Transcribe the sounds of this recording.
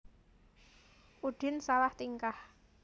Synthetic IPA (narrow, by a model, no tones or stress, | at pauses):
ʔuɖ̥ɪnsalaht̪iŋkah